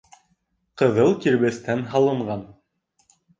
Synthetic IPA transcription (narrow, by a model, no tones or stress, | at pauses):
qɤ̆ðɤlˠkiɾβæst̪ænɦɑlˠɤ̆ɴɢɑn